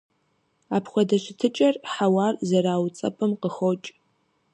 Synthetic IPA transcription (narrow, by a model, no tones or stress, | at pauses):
aːpχʷɔdɐɕɪtʰɨt͡ʃʼɐrħawaːrzɐɾaːwt͡sʼɐ̰pʰʼɨmqəxot͡ʃʼ